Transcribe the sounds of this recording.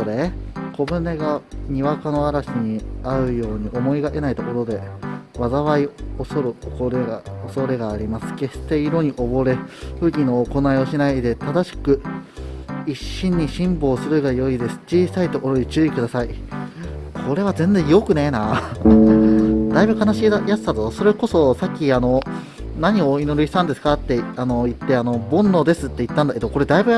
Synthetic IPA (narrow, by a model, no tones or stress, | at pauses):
oɾe̞kʰo̞bɯ̟ne̞ɡaɲ̟iβakano̞aɾaɕiɲ̟iaɯ̟jo̞ːɲ̟iʔo̞mo̞iɡaʔe̞nait̪o̞ko̞ɾo̞d̪e̞βazaβaiosoɾɯ̟ooɾeoso̞ɾe̞ɡaːɾʲimasɨ̥ke̞steiɾo̞ɲ̟iʔo̞bo̞ɾe̞ɸɯ̟ɡʲino̞ːko̞naio̞ɕinaid̪e̞t̪ad̪aɕi̥kɯ̟ | iɕːĩɲ̟ːiɕĩmbo̞ːsɨɾɯ̟ɡajo̞id̪e̞sɨ̥t͡ɕiːsait̪o̞ko̞ɾoɲit͡ɕɨːikɯ̟d̪asai | kʰo̞ɾe̞β̞azẽ̞nd͡zẽ̞ɰ̃jo̞kɯ̟ne̞na | d̪aibɯ̟kanaɕiːajat͡sɨ̥sat̪oso̞ɾe̞ko̞so̞sakʲːiano̞ | naɲ̟ioino̞ɾɯ̟ɕi̥t̪ãnd̪esɨ̥kat̪ːe̞ano̞it̪ːe̞ano̞bõ̞nːo̞d̪e̞sɨt̪ːeit̪ːãnd̪aked̪oko̞ɾe̞d̪aibɯ̟